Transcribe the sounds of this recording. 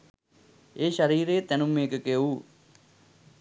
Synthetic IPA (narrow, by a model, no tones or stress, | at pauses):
eːʃɐɾiːɾeːt̪ɛnumːeːkəkeu